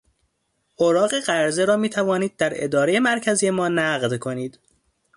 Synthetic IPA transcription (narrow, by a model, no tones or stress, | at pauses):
ʔoɾɒːɣeɢæɾzeɾɒːmiːt̪ʰævɒːniːd̪̚ːæɾḛd̪ɒːɾeje̞mæɾcʰæzije̞mɒːnæɢd̪kʰo̞niːd̪̥